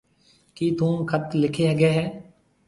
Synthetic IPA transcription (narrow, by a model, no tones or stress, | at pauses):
kiːt̪ũːkʰət̪lɪkʰeːɦːɡeːɦɛː